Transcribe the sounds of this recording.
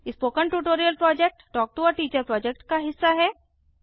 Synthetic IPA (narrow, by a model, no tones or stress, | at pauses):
ɪspoːkə̃ɳʈuʈoːɾijəlpɾɔːd͡ʒek̚ʈʈɔːk̚ʈuəɾʈiːt͡ʃəɾpɾɔːd͡ʒek̚ʈkaɦɪsːaɦɛː